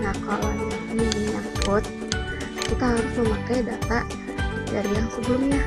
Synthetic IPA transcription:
ŋakalanminiŋjaŋpʊt̪̚ | kit̪aɦaɾʊsməmakajdat̪a | d͡ʒaɾijaŋsəbəlʊmɲa

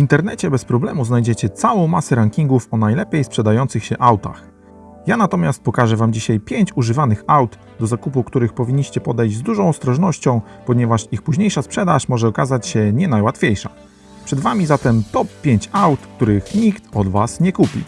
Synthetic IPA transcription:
vʲint̪ɛɾnɛt͡ɕɛbɛspɾɔblɛmuznajd͡ʑɛt͡ɕɛt̪sawɔ̃w̃masɛɾaŋkʲiŋɡufɔnajlɛpʲjejspʂɛd̪ajɔnt̪sɘxɕɛʔawt̪a̰x | janat̪ɔmʲjast̪̚pɔkaʐɛvamd͡ʑiɕajpʲjeɲt͡ɕuʐɘvanɘxawd̪ | d̪ɔzakupukt̪uɾɘxpɔvʲiɲːiɕt͡ɕɛpɔd̪ɛjd͡ʑzd̪uʐɔ̃w̃ɔst̪ɾɔʐnɔɕt͡ɕɔ̃w̃ | pɔɲɛvaʂixpuʑɲejʂaspʂɛd̪aʂmɔʐɛɔkazat͡ɕɕɛɲɛnajwat̪fʲjejʂa̰ | pʂɛd̪vamʲizat̪ɛmt̪ɔpːʲjeɲt͡ɕawt̪kt̪uɾɘxɲikt̪ɔd̪vasɲɛkupʲḭ

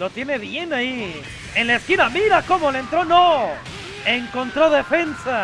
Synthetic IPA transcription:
lo̞t̪je̞ne̞βje̞nai | enlaeskinamiɾako̞mo̞lent̪ɾo̞no | eŋko̞nt̪ɾo̞ðe̞fe̞nsa

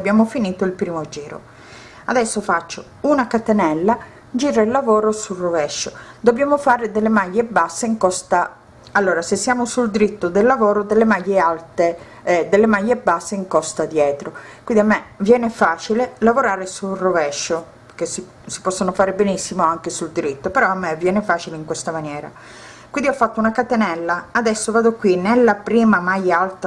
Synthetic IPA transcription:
abːjaːmofiniːt̪oilpɾiːmod͡ʒiːɾo̰ | ad̪ɛsːofat͡ʃːo | unakat̪enɛlːa | d͡ʒiːɾailːavɔːɾosurovɛʃːod̪objaːmofaːɾed̪elːemajːebasːeiŋkɔst̪a | alːoːɾasesːjaːmosuld̪ɾit̪ːod̪elːavɔːɾod̪elːemajːealt̪e | d̪elːemajːebasːeiŋkɔst̪ad̪jɛːt̪ɾokwind̪iamːevjɛːnefaːt͡ʃilelavoɾaːɾesurovɛʃːo | pk̟esi | si̥pɔsːonofaːɾebenisːimoaŋkesuld̪iɾit̪ːopeɾɔamːevjɛːnefaːt͡ʃileiŋkwest̪amanjɛːɾa̰ | kwind̪iɔfːat̪ːounakat̪enɛlːaːd̪ɛsːovaːd̪okːwinelːapɾiːmamajːaalt̪a

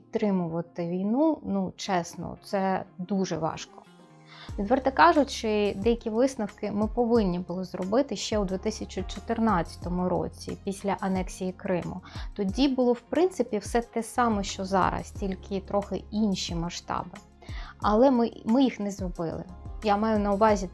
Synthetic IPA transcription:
pʲitt̪ːɾɪmʊʋɐt̪ɪʋʲijnunut͡ʃɛsnɔ̰t̪sɛd̪uʒɛ̰ʋɑ̰ʃkɔ̥ | ʋʲid̪ʋɛrt̪ɛkɑʒʊt͡ʃɪd̪ɛjɐkʲiʋɪsnɐwkɪmɪpɔʋɪnʲːibʊlˠɔzrɔbɪt̪ɪʃt͡ʃɛwd̪ʲʋʲit̪ɪsʲɐt͡ʃʊt͡ʃɔt̪ɪrnɑtt͡sʲːɐ̥t̪ɔmʊɾɔ̰t͡sʲḭpʲisʲlʲɐʔɐnɛksʲijikɾɪmʊ̰t̪ɔdʲibʊlˠɔwpɾɪnt̪sɪpʲiwsɛt̪ɛsɑmɛʃt͡ʃɔzɑ̰ɾɐ̰stʲilʲkʰɪt̪ɾɔxɪinʲʃimɐʃt̪ɑ̰bɪ | ɐlˠɛmɪmɪjixnɛzɾɔbɪ̰lˠɪ̰jamɑjʊnɐʊʋɑzʲi

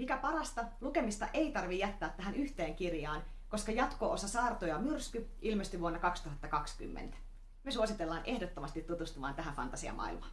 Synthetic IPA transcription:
mikæpɑɾɑst̪ɑluke̞mist̪ɑ̰ʔe̞it̪ɑrʋijæt̪ːæːt̪ːæɦænyht̪eːŋkirjɑːn | ko̞skɑjɑt̪koosɑsɑːrt̪ojɑmyrskyʔilmest̪yʋuonːɑkɑkst̪uɦɑt̪ːɑkɑksky̰mːḛnt̪æ̥ | myesuosit̪elːɑːnʔe̞hdot̪ːomɑst̪it̪ːut̪ust̪umɑ̰ːnt̪æɦænfɑ̰nt̪ɑsiɑ̰mʔɑ̰ḭlmɑn

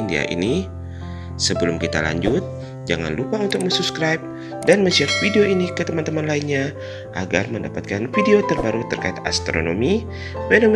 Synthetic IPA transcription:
ndia̰ʔḭni | səbəlʊmkit̪a̰la̰ɲd͡ʒʊt̪̚ | d͡ʒa̰ŋa̰nlupaunt̪ʊk̚mənsupskɾajp̚ | danməsiap̚fideoinikət̪əmant̪əmanlainɲa | ʔa̰ɡarməndapat̪̚kanfideot̪ərbaɾut̪ərkaɪt̪a̰st̪ɾo̰no̰mi | fenom

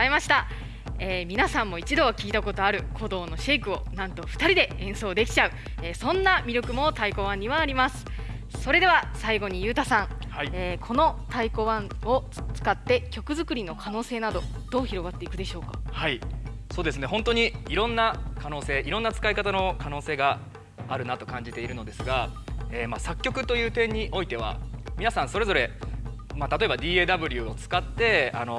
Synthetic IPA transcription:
imaɕi̥t̪a | eːmʲinasãmːo̞it͡ɕid̪o̞βakʲiːt̪ako̞t̪o̞aɾɯ̟kʰo̞d̪o̞ːno̞ɕe̞ikɯ̟o̞nãnt̪o̞ɸɯ̥t̪aɾʲid̪e̞ẽ̞ɰ̃so̞ːd̪e̞kʲi̥t͡ɕaɯ̟ | eːsõ̞nːamʲiɾʲjo̞kɯ̟mo̞t̪aiko̞βãɲ̟ːiβaːɾʲimasɨ̥ | so̞ɾe̞d̪e̞βasaiɡo̞ɲ̟ijɯ̟ːt̪asãŋhaeːkʰo̞no̞t̪aiko̞βãɴo̞ | t͡sɨ̥kat̪ːe̞kʲo̞kɯ̟zɨkɯ̟ɾʲino̞kʰano̞ːse̞ːnad̪o̞d̪̥o̞ːçiɾo̞ɡat̪ːe̞ikɯ̟d̪e̞ɕo̞ːka̰haisoːd̪e̞sɨne̞ɦõ̞nt̪o̞ɲ̟iiɾõ̞nːakano̞ːse̞ːʔiɾõ̞nːat͡sɨ̥kaikat̪ano̞kano̞ːse̞ːɡa | a̰ɾɯ̟nat̪o̞kãɲ̟d͡ʑit̪e̞iɾɯ̟no̞d̪e̞sɨɡaeːmasakʲːo̞kɯ̟t̪o̞jɯ̟ːt̪ẽ̞ɲ̟ːiʔo̞it̪e̞β̞a̰mʲinasãɰ̃so̞ɾe̞zo̞ɾe̞ | mat̪at̪o̞e̞bad̪ʲiːeːd̪abɯ̟ɾʲɯ̟o̞t͡sɨ̥kat̪ːe̞ano̞

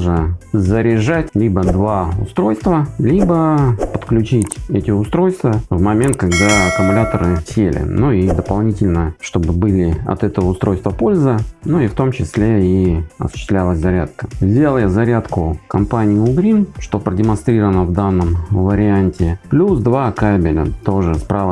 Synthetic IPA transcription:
ʐəzəɾʲɪʐatʲlʲibəd̪vaʊst̪ɾo̞jst̪vəlʲibəpə̥t̪klʲʉt͡ɕitʲɛtʲɪʊst̪ɾo̞jst̪vəvmɐmʲent̪̚kɐɡd̪aɐkʊmʊlʲat̪əɾɨsʲelʲɪ̰nuid̪əpɐlˠnʲitʲɪlʲnəʂt̪o̞bɨbɨlʲɪɐ̰t̪ɛt̪əvəʊst̪ɾo̞jst̪vəpo̞lʲzɨnuift̪o̞mt͡ɕɪsʲlʲeiɐ̰sʊ̥ɕɪst̪lʲælˠəsʲzɐɾʲat̪̚kəvzʲalˠjazɐɾʲat̪kʊkɐmpanʲɪjʊːɡɾʲinʂt̪o̞pɾədʲɪmɐnst̪ɾʲiɾəvənəvd̪anːəmvəɾʲɪanʲtʲɪplʲusd̪vakabʲɪlʲə̰t̪o̞ʐɨspɾʔavə

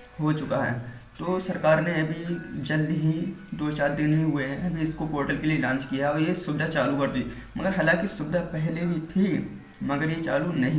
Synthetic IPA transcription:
ɦot͡ʃʊkaɦɛ̰ː | t̪oːsɐɾkaːɾneɐbʱid͡ʒɐld̪ɦid̪oːt͡ʃaːɾd̪ɪnɦĩɦʊeɦɛ̃ɐbʱiɪskokoːɾʈəlkelielãːnt͡ʃkijaɔːɾjesʊbɪd̪ʱat͡ʃaːlukɐɾd̪i | mɐɡəɾɦaːlãːkisʊbɪd̪ʱapɛɦlebʱit̪ʰi | mɐɡəɾjet͡ʃaːlunɐɦĩ

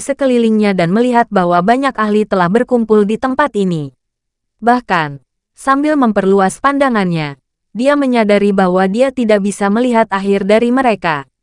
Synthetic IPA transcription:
səkəliliŋɲadanməliɦat̪̚baɦwabaɲakahlit̪əlahbərkumpʊldit̪əmpat̪ini | bahkan | sambɪlməmpərluaspandaŋanɲa | diaməɲadaɾibaɦwadiat̪idaʔ̚bisaməliɦat̪aɦɪrdaɾiməɾeka

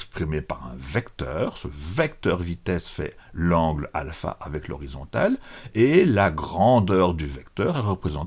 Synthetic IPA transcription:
kspχimepaʁɛ̃vɛkt̪œːʁsəvɛkt̪œʁvit̪ɛsfɛ̰lɑ̃ɡla̰lfa̰ʔavɛklɔ̰ʁizɔ̃t̪a̰lelaɡʁɑ̃d̪œːʁd̪yvɛkt̪œːʁɛʁəpχezɑ̃t̪

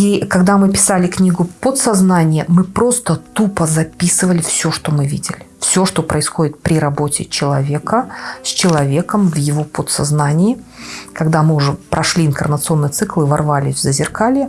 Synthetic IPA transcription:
ikɐɡd̪amɨpʲɪ̥salʲɪknʲiɡʊpot̪sɐznanʲɪjəmɨpɾo̞st̪ət̪upəzɐpʲisɨvəlʲɪfsʲo̞ʂt̪o̞mɨvʲidʲɪlʲɪfsʲo̞ʂt̪o̞pɾəɪsxo̞dʲɪt̪̚pɾʲɪɾɐbo̞tʲɪ̰t͡ɕɪlˠɐvʲe̞kəsʲt͡ɕɪlˠɐvʲekəmvjɪvo̞pot̪sɐ̰znanʲɪːkɐɡd̪amɨʊʐɛpɾʔɐʂlʲiɪnkərmət̪sɨo̞nːɨjt̪sɨklˠɨvɐrvalʲɪsʲvzəzʲɪrkalʲɪj

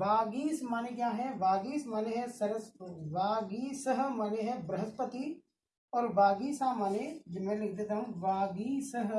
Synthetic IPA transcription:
ʋaːɡiːsmaːnekjaːɦɛʋaːɡiːsmaːneɦɛsɐɾəsʋaːɡiːsəɦmaːneɦɛbɾɐɦəspət̪i | ɔːɾʋaːɡiːsamaːned͡ʒemɛ̃ːlɪkʰd̪et̪ʰaːɦũʋaːɡiːsəɦ

